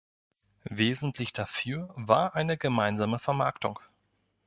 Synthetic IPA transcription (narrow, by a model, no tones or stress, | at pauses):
veːzn̩tʰlɪçd̥afyːɐvaːɐʔaɪnəɡəmaɪnzaːməfɛɐmaɐktʊ̰ŋ